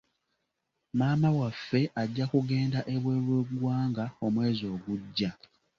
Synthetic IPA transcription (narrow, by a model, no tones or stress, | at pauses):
maːmawafːe̞ʔaɟːakuɡe̞ːndaʔe̞βwe̞ːlweɡwaːŋɡao̞mwe̞ːzo̞ːɡuɟːa